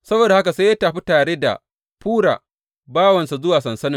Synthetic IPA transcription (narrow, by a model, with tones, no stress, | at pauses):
sɐ˦boː˨da˨ha˦ka˨seː˦jaː˦taː˨ɸi˦taː˨ɽeː˦da̰˨ | ɸuː˦ɽa̰ː˨ | baː˦wɐ˨nsa˨zʊ˦waː˨sɐ˨nsɐ˦nɪ̃˨